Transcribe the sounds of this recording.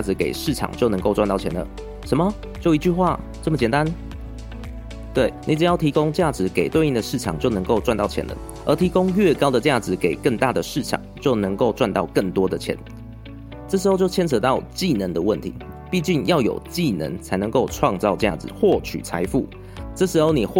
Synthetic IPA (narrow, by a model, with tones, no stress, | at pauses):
t͡ɕja˥˩d͡zɹ̩˧˦ke˨˩ɪʂɻ̩˥˩ʈ͡ʂʰɑ̰˨˩ŋt͡ɕjo˥˩ʊnə˧˥ŋko˥ʊwnt̪ɑ˥˩ʊt͡ɕʰjɛ˧˦nd̪ə̰˨ | ʂə˧˦nmə˨ | t͡ɕjo˥˩ʊi˧˦t͡ɕy˥˧xwa˥˩ | ʈ͡ʂə˥˩mə˩t͡ɕjɛ˨˩nt̪a˦n | t̪we˥˩ɪni˨˥˩ʈ͡ʂɻ̩˨˩jɑ˥˩ʊt̪ʰi˧˥ko˥ŋt͡ɕja˥˩d͡zɹ̩˧˥ke˨˩ɪt̪we˥˧ɪni˥˩ŋd̪ə˩ʂɻ̩˥˩ʈ͡ʂʰɑ̰˨˩ŋt͡ɕjo˥˩ʊnə˧˥ŋko˥˧ʊʈ͡ʂwa˥˧nt̪ɑ˥˩ʊt͡ɕʰjɛ̰˧˦nd̪ə̰˧˦ | ə̰˧˥t̪ʰi˧˥ko˥ŋɥɛ˥˩kɑ˥ʊd̪ə˨t͡ɕja˥˩d͡zɹ̩˩˦ke˨˩ɪkə˥˧ŋt̪a˥˩d̪ə˩ʂɻ̩˥˩ʈ͡ʂʰɑ̰˨˩˦ŋt͡ɕjo˥˩ʊnə˧˥ŋko˥˧ʊʈ͡ʂwa˥˧nt̪ɑ˥˧ʊkə˥˩nt̪wɔ˥d̪ə˨t͡ɕʰjɛ̰˧˦n | ʈ͡ʂə˥˩ʂ̬ɻ̩˧˥xo˥˧t͡ɕo˥ʊt͡ɕʰɛ˥nt͡sʰɤ˧˥t̪ɑ˥˨ʊt͡ɕi˥˨nə˧˥nd̪ə˨wə˥˨nt̪ʰḭ˧˥˦ | pi˥˧t͡ɕi˥˩ŋjɑ˥˩ʊjo̰˨˩ʊt͡ɕi˥˩nə̰˧˥˦nt͡sʰa˧˥ɪnə˧˦ŋko˥˧ʊʈ͡ʂʰwɑ˥˧ŋt͡sɑ˥˧ʊt͡ɕja̰˥˩d͡zɹ̩˨˩xwɔ˥˩t͡ɕʰy̰˨˩t͡sʰa̰˧˥ɪfu˥˩ | ʈ͡ʂə˥˩ʂɻ̩˧˥xo˥˩ʊni˨˩x